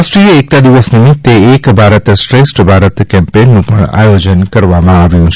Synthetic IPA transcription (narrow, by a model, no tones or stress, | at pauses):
asʈɾieːk̚t̪ad̪iʋəsnə̃t̪eːkbʱaɾət̪sʈɾesʈbʱaɾət̪kɛ̃mpenːũpəɳa̰jod͡ʒənkəɾʋamãaʋjũt͡ʃʰ